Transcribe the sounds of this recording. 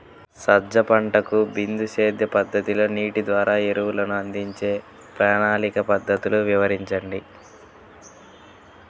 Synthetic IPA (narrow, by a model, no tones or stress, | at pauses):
sɐd͡ʒɐpɐɳʈɐkubind̪uʃe̞ːd̪jɐpɐd̪ːɐt̪ilo̞ːniːʈid̪ʋaːɾaːeɾuwulɐnuɐnd̪iɲt͡ʃe̞ː | pɾaːɳaːlikɐpɐd̪ʱːɐt̪uluʋiʋɐɾiɲt͡ʃɐɳɖi